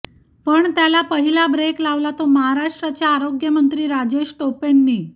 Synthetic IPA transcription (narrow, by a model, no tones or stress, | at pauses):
pəɳt̪jalapəɦilabɾeklaʋlat̪oməɦaɾaʂʈɾat͡ɕjaːɾoɡjəmənt̪ɾiːɾad͡ʑeɕʈopenːiː